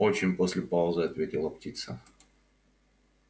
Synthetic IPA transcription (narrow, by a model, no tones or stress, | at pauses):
ot͡ɕɪnʲpo̞sʲlʲɪpaʊzɨɐt̪vʲetʲɪlˠəptʲit̪sə̰